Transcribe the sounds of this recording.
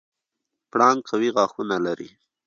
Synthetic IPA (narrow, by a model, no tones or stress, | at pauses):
pɽɑnkʰawiɣɑxunalaɾḭ